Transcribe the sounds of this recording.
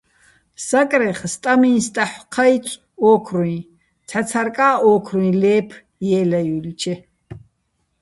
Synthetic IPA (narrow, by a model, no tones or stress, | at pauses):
sakʼɾɛχst̪ʼaminst̪ʼaħqʰajt͡sʼ | ɔːkʰɾuĩ | t̪ʰat͡sʰaɾkʼaːʔɔːkʰruĩlɛːpʰ | jɛːlajulit͡ʃʰɛ